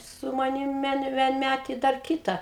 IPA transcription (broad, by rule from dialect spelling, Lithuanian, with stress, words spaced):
sʊ mɐˈnʲɪm ˈʋʲiɛn ʋʲiɛnʲˈmʲætʲeː ɪ dɐr ˈkʲiːtɐ